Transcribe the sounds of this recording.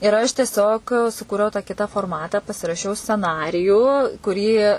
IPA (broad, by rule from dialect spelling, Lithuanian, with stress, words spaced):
ɪr ɐʃ tʲiɛˈsʲoːk sʊˈkuːrʲɛʊ tɑː ˈkʲɪtɐ foːrˈmɑːtɑː pɐsʲɪrɐˈʃʲɛʊ sʲt͡sʲɛˈnɑːrʲɪjuː kʊˈrʲiː